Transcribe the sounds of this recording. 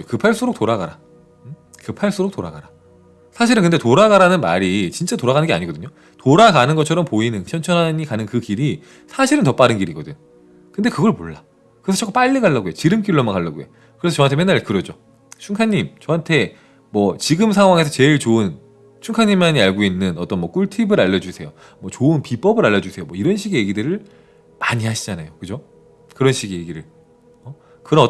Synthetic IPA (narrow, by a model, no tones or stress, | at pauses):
kɯpʰaɭs͈uɾok̚t͈oɾaɡaɾa | kɯpʰaɭs͈uɾok̚t͈oɾaɡaɾa | sʰaɕʰiɾɯnkɯnde̞toɾaɡaɾanɯnma̰ɾit͡ɕint͡ɕ͈atoɾaɡanɯnɡe̞a̰ɲiɡʌdɯɲo | toɾaɡanɯnɡʌt͡ɕʰʌɾʌmpoinɯnɕʰʌnt͡ɕʰʌnaɲikanɯnkɯkiɾi | sʰaɕʰiɾɯntʌp͈aɾɯnɡiɾiɡʌdɯɲo | kɯnde̞kɯɡʌɭmoɭːa | kɯɾesʰʌt͡ɕʰʌkʰːup͈aʎːiɡaɭːaɡojet͡ɕiɾɯmk͈iɭːomakaɭːaɡo̰jḛ | kɯɾet͡ɕʌɦantʰemenːaɭkɯɾʌd͡ʑo | t͡ɕʰuŋkʰaɲːimt͡ɕʌɦantʰe̞ | mwʌt͡ɕiɡɯmsʰaŋɦwaŋe̞sʰʌt͡ɕe̞ɭt͡ɕoɯn | t͡ɕʰuŋkʰaɲːimːaɲiaɭɡoinːɯnʌt͈ʌnmwʌk͈uɭtʰibɯɾaʎːʌd͡ʑusʰe̞jo | mwʌt͡ɕoɯnpip͈ʌbɯɾaʎːʌd͡ʑusʰe̞jomwʌiɾʌnɕʰiɡije̞ɡidɯɾɯɭ | maɲiɦaɕʰid͡ʑanajokɯd͡ʑo | kɯɾʌnɕʰiɡije̞ɡiɾɯɭ | ʌ | kɯɾʌn